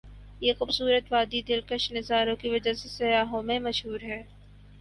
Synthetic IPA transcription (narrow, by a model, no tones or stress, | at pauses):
jeːxʊbsuːɾət̪ʋaːd̪id̪ɪlkəʃnɪzaːɾõkiʋɐd͡ʒasesɐjaːɦõmẽmɐʃɦuːɾɦɛː